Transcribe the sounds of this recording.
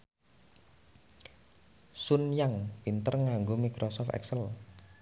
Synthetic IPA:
sunjaŋpint̪ərŋaŋɡomikɾʔɔsɔft̪ɛ̰ksəl

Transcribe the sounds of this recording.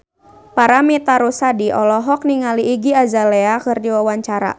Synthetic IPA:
paɾamit̪aɾusadiʔɔlɔɦɔk̚niŋaliːɡiazalɛakɨrdiwawaɲt͡ʃaɾa̰

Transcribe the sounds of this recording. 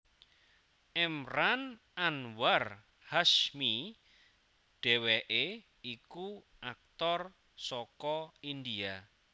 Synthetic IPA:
ʔɛmran | anwar | haʃmi | ɖ̥ɛ̤wɛʔe | iku | ʔak̚t̪ɔr | sɔkɔind̪ia

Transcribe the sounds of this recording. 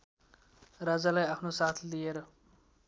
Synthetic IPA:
rad͡zalajapʰnosat̪ʰlijeɾʌ

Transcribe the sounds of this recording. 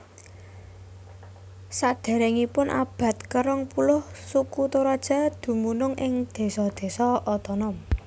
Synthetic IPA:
sad̪̥a̤ɾeŋipʊnʔa̰b̥ä̤t̪̚kəɾɔŋpulʊhsukut̪oɾad̥ʒ̥a̤d̪̥ṳmunʊŋʔɪŋd̪̥e̤sɔd̪̥e̤sɔɔt̪ɔnɔm

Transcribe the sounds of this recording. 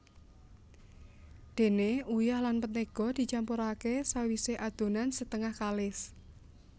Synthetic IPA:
d̪̥e̤neujahlanpət̪̚nəɡ̥ɔ̤d̪̥i̤t͡ʃampuɾakesawiseʔad̪̥o̤nansət̪əŋahkalɪs

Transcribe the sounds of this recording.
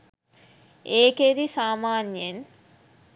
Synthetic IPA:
eːked̪isaːmaːnjen

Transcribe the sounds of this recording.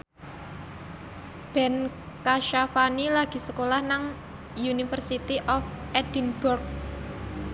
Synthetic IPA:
b̥ɛn | kaʃafanilaɡ̥i̤səkolahnaŋ | junifərsit̪iʔɔfʔɛd̥inb̥urk̚

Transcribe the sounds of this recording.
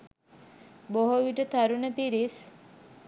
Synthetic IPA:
boɦoʋiʈət̪aɾunəpiɾis

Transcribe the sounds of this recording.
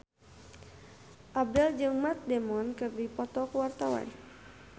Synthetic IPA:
ʔab̚dɛld͡ʒɨŋmat̪̚dɛmɔnkɨrdipɔt̪ɔkuwart̪awa̰n

